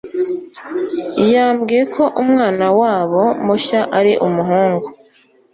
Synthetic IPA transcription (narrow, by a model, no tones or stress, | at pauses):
ijaːmɡiːje̞kʰo̞ʔumŋaːnawaːβo̞moʃaʔaɾiʔumuɦuːŋɡu